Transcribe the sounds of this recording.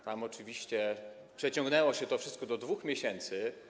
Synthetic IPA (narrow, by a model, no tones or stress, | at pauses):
t̪amɔt͡ʂɘvʲiɕt͡ɕɛ | pʂɛt͡ɕɔ̃ŋɡnɛwɔɕɛt̪ɔfʂɘst̪̚kɔd̪ɔd̪vuxmʲjeɕɛnt̪sɘ